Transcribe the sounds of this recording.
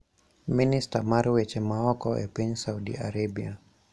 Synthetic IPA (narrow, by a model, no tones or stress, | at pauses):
ministamaɾwɛt͡ʃɛmaɔkɔʔɛ̰pɛɲsaudḭaɾabia